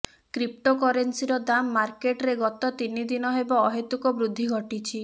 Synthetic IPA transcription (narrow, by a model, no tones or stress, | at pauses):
kɾip̚ʈɔkɔɾensiɾɔd̪amːaɾkeʈɾeɡɔt̪ɔt̪inid̪inɔɦebɔːɦet̪ukɔbɾud̪ʱːiɡʱɔʈit͡ʃʰi